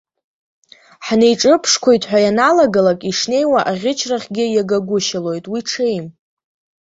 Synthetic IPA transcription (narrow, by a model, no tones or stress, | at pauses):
ħnejʈ͡ʂʼɨpʰʂkʷʰo̞jtʼħʷᶣajanalaɡalakʼiʂne̞jwaʔaʁʲɪt͡ʃʰraχʲɡʲɪjaɡaɡʷʊʃalo̞jtʼwiʈ͡ʂʰejm